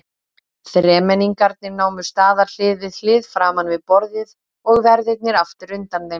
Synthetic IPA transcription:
θɾɛːmɛniŋkaɾt̪nɪɾnaːwmʏ̥st̪aːðal̥ɪːðvɪðlɪːðfɾaːmanvɪðpɔɾðjɪð | ɔɣvɛɾðɪt̪̚nɪɾaft̪ɪɾʏnt̪anve

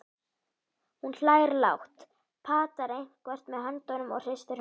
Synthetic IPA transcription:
hunɬaːjɾla̰wht̪ | pʰaːt̪aɾejn̥kvɛr̥t̪mɛðɦant̪ɔɥnʏmɔ̰ɣr̥est̪ɪɾ

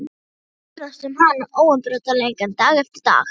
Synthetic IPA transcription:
pɾasʏmhanaʔoːwampɾœːt̪alejŋkant̪aːɣɛft̪ɪɾ̥t̪a̰ːx

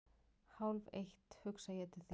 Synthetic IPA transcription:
hawlvejht̪hʏksajɛt̪ʰɪθ

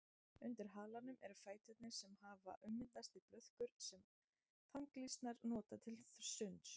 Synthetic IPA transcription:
ʏnt̪ɪɾ̥ɦaːlanʏmʔɛɾfaːjt̪ʰɛt̪nɪɾ̥sɛmhaːva̰ʔʏmːɪnt̪ast̪ipɾœð̥kʏɾ̥sɛm | t̪ʰawŋklist̪naɾnɔːt̪at̪ʰɪlssʏns

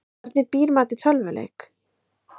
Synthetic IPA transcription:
ɾt̪nɪpiːɾmaːt̪ɪt̪ʰœlvʏlḛjk

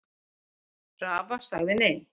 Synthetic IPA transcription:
raːvasaɣðɪnej

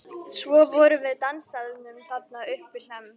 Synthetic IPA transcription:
svɔvɔɾʏvɪðt̪anst̪aðɪnʏmθap̚naʏhpɪ̥l̥ɛm

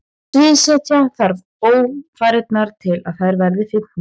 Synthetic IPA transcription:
vɪðsɛc̪aθaɾð | oːwfaːɾɪt̪̚naɾ̥t̪ʰɪlaðθaðɪɾvɛɾðɪfɪt̪

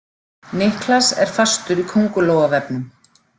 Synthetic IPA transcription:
nɪhklasɛ̰ɾ̥fast̪ʏɾikʰowŋkʏloːwɣavɛpnʏm

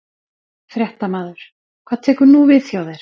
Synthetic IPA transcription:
fɾjɛht̪amaːðʏɾ̥ | kʰv̥aðt̪ʰɛːkʏɾnuvɪðθjoːwðɛɾ̥

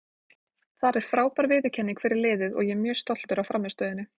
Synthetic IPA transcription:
θaɾɛɾ̥fɾaːwpaɾvɪːðɪcʰɛnːiŋkʰvɪːɾɪɾlɪːðɪðɔ̰ɣjɛmjœːst̪ɔl̥t̪ʏɾawfɾamːɛst̪œːðɪnɪ

